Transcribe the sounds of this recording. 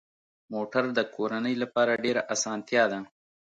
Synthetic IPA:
moːʈaɾd̪əkʰoːɾanəjlapɑːɾaɖeɾaʔasɑːnt̪jɑd̪a

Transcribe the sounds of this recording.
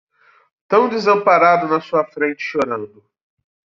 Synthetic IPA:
t̪ɐ̃w̃d͡ʒ̪ɪzɐ̃mpaɾad̪ʊnɐsuɐfɾẽnt͡ʃɪ̥ʃoɾɐ̃nd̪ʊ

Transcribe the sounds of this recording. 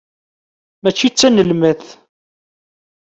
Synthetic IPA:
mæt͡ʃːit͡sːænəlməθ

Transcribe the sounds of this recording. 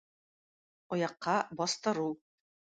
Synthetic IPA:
ŏjɑqːɑbɒst̪ɤ̆ɾuw

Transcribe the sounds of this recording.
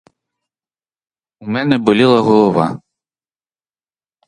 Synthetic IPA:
umʲɛnɛbɨlʲilˠɐɣɔlˠɔva̰

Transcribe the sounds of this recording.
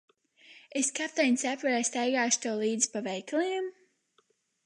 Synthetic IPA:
eskap̚t̪ɛjnʲsapvaɾɛsʲt̪ajɡaːʃt̪ɔwlˠiːd̪zpavɛjklˠɛjɛm

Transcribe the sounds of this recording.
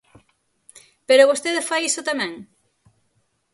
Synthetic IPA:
peɾoβost̪eðefajisʊt̪amɛ̃ŋ

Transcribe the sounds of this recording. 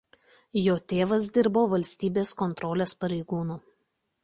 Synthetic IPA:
joːt̪ʲeːʋɐs̬d̪ʲɪɾboːʋɐlʲsʲt̪ʲiːbʲeːskɔnt̪ɾɔːlʲeːspɐɾʲɛɪɡuːnuː

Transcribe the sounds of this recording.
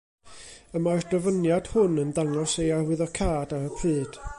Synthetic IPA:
əmaɔrd̥əvənjad̥hʊnəndaŋɔsejarwɪðɔkʰaːdaɾəpʰrɨːd̥

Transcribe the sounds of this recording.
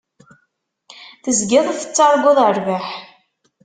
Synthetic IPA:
θəzɡɪðˤθə̥t͡sːɑɾˤɡʊðˤəɾˤvaħ

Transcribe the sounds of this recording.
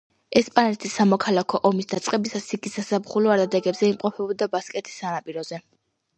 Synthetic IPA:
ɛspʼanɛt̪ʰisːamɔkʰalakʰɔʔɔmisd̪at̪sʼqʼɛbisasiɡisasabχulɔaɾd̪ad̪ɛɡɛbzɛimqʼɔpʰɛbɔd̪abaskʼɛt̪ʰi̥sːanapʼiɾɔz̥ɛ

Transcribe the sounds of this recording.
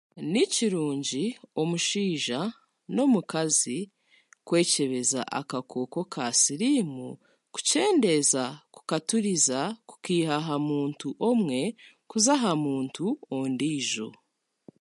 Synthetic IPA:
niciɾuːɲɟio̞muʃiːʒa | no̞mukazi | kwe̞ːce̞βe̞za̰ʔa̰kakʰo̞ːko̞kʰasiɾimu | ku̥ce̞ːnde̞zaku̥katuɾizaku̥kiːɦaɦamuːntuʔo̞mŋe̞ | kuzaɦamuːntʰuondiːʒo̞̰

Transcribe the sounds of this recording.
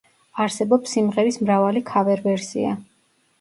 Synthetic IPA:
aɾsɛbɔpsːimʁɛɾismɾavalikʰavɛɾvɛɾsḭa̰

